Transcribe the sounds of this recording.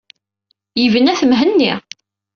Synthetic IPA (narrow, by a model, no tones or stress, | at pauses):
jəvənæθəmɦənːiʁ